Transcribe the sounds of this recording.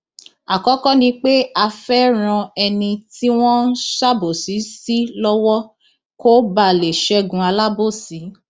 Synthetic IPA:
a˨kɔ˦kɔ̃˦nĩ˧k͡pe˦a˧fɛ˦ɾ̃ã˧ɛ˧nĩ˧ti˦w̃ɔ̃˦ʃa˦bo˨si˨˦si˦lɔ˦wɔ˦ | ko˦ba˦˨le˨ʃɛ˦˨ɡũ˧a˧la˦bo˦˨si˨˦

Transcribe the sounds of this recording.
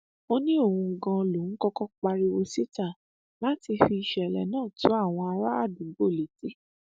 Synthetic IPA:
o˧nĩ˦o˦˨wũ˧ɡã˧lo˨˦n̩˦kɔ˦kɔ˦k͡pa˧ɾi˧wo˧si˦ta˦˨ | la˨˦ti˧fi˧i˧ʃɛ˨lɛ̰˨nãː˦˨tũ˨˦a˦˨w̃ɔ̃˧a˧ɾa˦a˦˨dũ˨˦ɡ͡bo˦˨le˨ti˨˦

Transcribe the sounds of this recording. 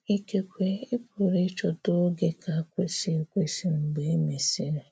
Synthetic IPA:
i˦ke˦kʷe˦e˦pu˨ɾe˦t͡ʃɔ˦tʊ˦ɡe˨ka˨a˨kʷe˦si˦e˨kʷe˦si˦m̩˨ɡ͡be˨e˦me˨si˦ɾe˨

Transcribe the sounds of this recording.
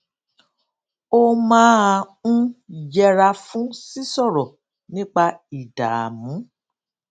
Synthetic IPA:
o˦mãː˦a˧ũ˦jɛ˧ɾa˧fũ˦si˦sɔ˦˨ɾɔ˨ | nĩ˦k͡pa˧i˨da̰˨a̰˨mũ˨˦

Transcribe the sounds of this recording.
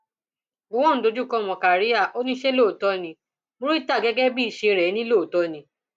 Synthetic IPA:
o˦wɔ̃˦n̩˦do˧d͡ʒu˦˨kɔ˦˨mɔ̃˨ka˨ɾi˦a˦˨o˦nĩ˦ʃe˦lo˦˨tɔ˧nĩ˧ | mõ˦ɾu˦i˦ta˦˨ɡɛ˨˦ɡɛ˦bi˦i˨ʃe˧ɾɛ˨˦nĩ˦lo˦˨tɔ˧nĩ˧˦

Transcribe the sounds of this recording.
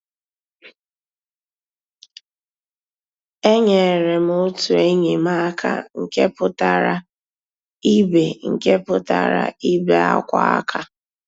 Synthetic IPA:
e˦ɲe˨e˨ɾe˨m˦ʊ˦tu˨e˦ɲe˨ma˦kʰa̰˨ŋ̩˨ke˦pʊ˦ta˨ɾa˦ | i˦be˨ŋ̩˨ke˦pʊ˦ta˨ɾa̰˨i˦be˨a̰˦kʷa̰˦a̰˦kʰa˨

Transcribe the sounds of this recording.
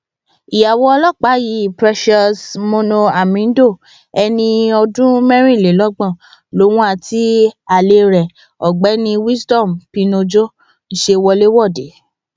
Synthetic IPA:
i˨ja˨wɔ˧ɔ˧lɔ˦˨k͡pa˨˦ji˨˦˨pɾɛ˦ʃɔ˧smõ˦nõ˧a˨mĩ˨˦n̩˦do˦˨ | ɛ˧nĩ˧ɔ˧dũ˦mɛ̃˦ɾ̃ĩ˦˨le˨˦lɔ˦ɡ͡bã˦˨ | lo˨˦w̃ũ˦a˧˨ti˨˦a˨le˧ɾɛ˨ | ɔ˨ɡ͡bɛ˨˦nĩ˧wi˦sdɔ˦˨mpi˧nõ˧d͡ʒo˦ | n̩˦ʃe˧wɔ˧le˦wɔ˦˨de˨˦

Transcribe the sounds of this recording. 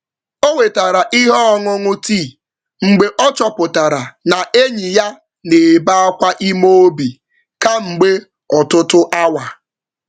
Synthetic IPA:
o˦we˨ta˨ɾa˨ʔi˦ɦɔ˦ŋʊ˦ŋʊ˦ti˦˨ | ŋ͡m̩˨ɡ͡be˨ʔɔ˦t͡ʃɔ˨pʊ˨ta˨ɾa˨na˨ʔe˦ɲi˨ja˦ | ne˨ba˦a˦kʷa˦ʔi˦mo˦o˦bi˨ | ka˦ŋ͡m̩˨ɡ͡be˦ | ɔ˨tʊ˦tʊ˦ʔa˦wa˨

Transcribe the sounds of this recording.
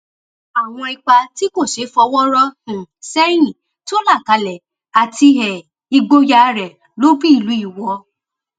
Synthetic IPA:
a˨w̃ɔ̃˧i˧k͡pa˧ti˦ko˦˨ʃe˨˦fɔ˧wɔ˦ɾɔ˦hũ˨sɛ˦j̃ĩ˦˨ | to˦la˦˨ka˨˧lɛ˨ | a˨ti˧ɦɛ˨ | i˧ɡ͡bo˦ja˧ɾɛ˨ | lo˨˦bi˦i˦˨lu˨˦i˦˨wɔ˧

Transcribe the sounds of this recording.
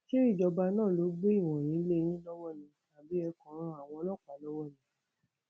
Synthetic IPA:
ʃe˦ɾi˦˨d͡ʒɔ˧ba˧nãː˦˨lo˨˧˦ɡ͡be˦i˦˨w̃ɔ̃˨j̃ĩ˨˦le˦˧ñĩ˦lɔ˦wɔ˦˨nĩ˧ta˨bi˨˦ɛ˧kɔ̃˨˦ɾ̃ɔ̃˧˦a˨w̃ɔ̃˧lɔ˦˨k͡pa˨˦lɔ˦wɔ˦˨nĩ˨˦

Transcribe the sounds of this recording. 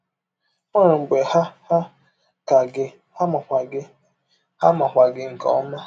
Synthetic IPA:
ɔ˦ɾʊ˨ŋ͡m̩˨ɡ͡be˨ha˦ha˦ | ka˨ɡɪ˦ | ha˦ma˨kʷa˨ɡɪ˦ | ha˦ma˨kʷa˨ɡɪ˦ŋ̩˨kɔ̰˦ma˦

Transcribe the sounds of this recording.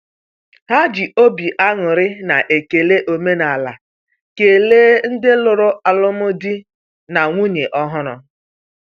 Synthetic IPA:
ha˦d͡ʒi˨ʔo˦bi˨ʔa˦ŋʊ˨ɾɪ˦na˨ʔe˨ke˨le˦ʔo˨me˦na˨la̰˨ | ke˨leː˦n̩˦dɪ˦lʊ˨ɾʊ˦a˨lʊ˦mʊ˦di˦ | na˨ŋʷu˦ɲe˨ʔɔ˦ɦʊ˦ɾʊ̰˨

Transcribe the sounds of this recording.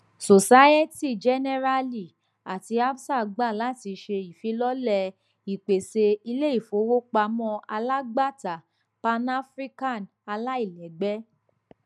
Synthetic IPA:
so˨sa˦ɛ˦ti˦˨d͡ʒɛ˦nɛ˦ɾa˧li˦˨ | a˨ti˧a˦bsa˦˨ɡ͡ba˦˨la˨˦ti˧ʃe˧i˨fi˨˦lɔ˦lɛ˧ | i˨k͡pe˨se˧i˧le˦i˦˨fo˨˦wo˦k͡pa˧mɔ̃˦a˧la˦ɡ͡ba˦˨ta˨ | pa˧na˦fɾi˦ka˦˨n | a˧la˦i˦˨lɛ˨ɡ͡bɛ˦

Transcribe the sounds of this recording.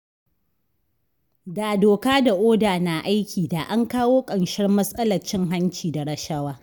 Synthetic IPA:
daː˨doː˨kaː˦da˨ʔoː˦daː˨na˨ʔa˦jkʲiː˨daː˨ʔa˦ŋkaː˦woː˦kʼɐ˨nʃɐ˦rmɐ˦sʼɐ˦lɐ˨rt͡ʃɪ˦ŋɦa˦nt͡ʃiː˨da˨ɽɐ˦ʃɐ˦waː˦

